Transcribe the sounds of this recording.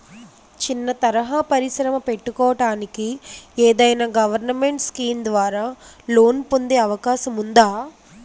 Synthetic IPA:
t͡ʃinːɐt̪ɐɾɐɦaːpɐɾiʃɾɐmɐpe̞ʈːukɔːɐʈaːnikieːd̪ɐjnaːɡɐʋɐɾnɐmeɳʈskiːmd̪ʋaːɾaːlo̞ːnpond̪eːɐʋɐkaːʃɐmund̪aː

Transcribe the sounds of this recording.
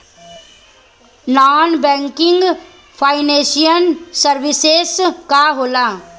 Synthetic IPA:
naːnbɛ̃ːŋkɪ̃ŋɡ | pʰaːɪneːsijənsəɾʋɪseskaɦoːlaː

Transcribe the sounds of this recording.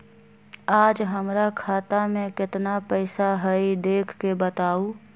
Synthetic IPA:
aːd͡ʒɦəmɾakʰaːt̪amẽkɪt̪napəɪsaɦəid̪eːkʰkebət̪aːu

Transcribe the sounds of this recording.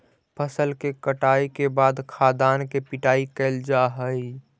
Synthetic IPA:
pʰəsəlkekəʈaːikebaːd̪kʰaːd̪aːnkepɪʈaːikəːld͡ʒaɦəi

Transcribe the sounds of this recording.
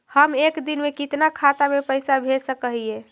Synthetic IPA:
həmekd̪inmekit̪nakʰat̪amepəjsabʱesəkəɦie

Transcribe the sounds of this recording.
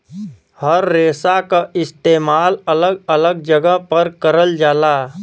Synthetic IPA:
həɾːeːsakaʔɪst̪eːmaːlələɡələɡd͡ʒəɡəɦpəɾkəɾəld͡ʒaːlaː

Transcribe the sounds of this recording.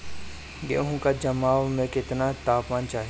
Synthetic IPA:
ɡḛːɦũkad͡ʒɐmaːwmẽkɪt̪nat̪aːpmaːnt͡ʃaːɦi

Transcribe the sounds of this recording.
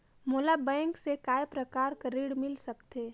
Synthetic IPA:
moːlabɛ̃ːŋksekaːepɾəkaːɾkəɾiːɽmɪlsəkt̪eː

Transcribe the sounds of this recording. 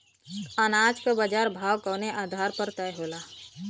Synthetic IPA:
anaːd͡ʒkabəd͡ʒaːɾbʱaːwkəːneʔaːd̪ʱaːɾpəɾt̪ɛjɦoːlaː

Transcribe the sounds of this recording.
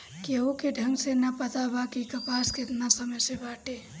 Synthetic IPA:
keokeɖʱəŋɡsenəpət̪abakikəpasket̪nasəməjsebaːʈe

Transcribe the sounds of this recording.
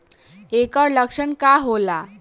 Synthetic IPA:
ekəɾləkʂəɳkaɦola

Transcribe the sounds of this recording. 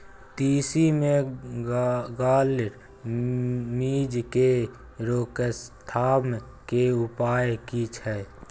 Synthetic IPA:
t̪iːsimẽ | ɡaːlʈ | miːd͡ʒke | ɾoːkəst̪ʰaː | keʊpaːjkit͡ʃʰɛː

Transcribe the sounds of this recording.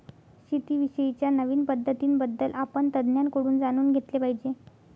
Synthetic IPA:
ɕit̪iːʋiɕəit͡ɕjanəʋiːnpəd̪ʱːət̪iːnbəd̪ːəlʔapəɳt̪əd̪njankoɽuːnd͡zañuːnɡʱet̪lepaɦid͡ʑe

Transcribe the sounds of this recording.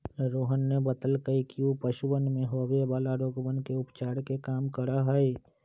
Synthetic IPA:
ɾoːɦənːebət̪əlkəikiupəʃubənmẽɦɔːbebaːlaɾoːɡbənkeʊpt͡ʃaːɾkekaːmkəɾaɦəe

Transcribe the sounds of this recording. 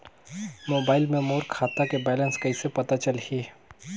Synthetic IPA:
moːbaːɪlmẽmoːɾkʰaːt̪akebɛːlə̃nskɐisepɐt̪at͡ʃɐlhi

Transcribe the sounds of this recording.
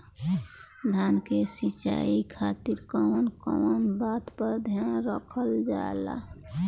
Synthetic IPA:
d̪ʱankesit͡ʃa̰ikʰat̪iɾkɔnkɔ̰wnbat̪pəɾd̪ʱjanɾəkʰəld͡ʒa̰ela̰

